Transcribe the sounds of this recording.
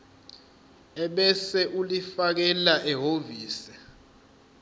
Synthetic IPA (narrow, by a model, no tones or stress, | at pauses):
ɛɓɛsɛʔulifak̬ɛlaʔɛɦoviːsɛ̥